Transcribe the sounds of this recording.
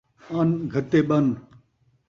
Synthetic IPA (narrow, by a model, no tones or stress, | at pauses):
ɐnɡʱɐt̪eɓɐn